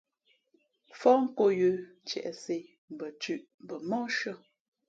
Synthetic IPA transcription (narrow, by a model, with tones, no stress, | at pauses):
fɔ˦ŋ̩˦ko˦˨jʉ˨ | t͡ʃɛ̰˨ʔɛ˨se˨ | m̩˨bə˨t͡ʃʉ˦˨ʔm˨bə˨mɔ˦ʃə˦˨